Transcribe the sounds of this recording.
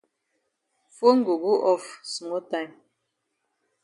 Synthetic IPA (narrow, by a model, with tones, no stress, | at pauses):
fo˦ŋ̩˦ɡo˨ɡu˦ʔɔ˦fsmo˦ta˦˨m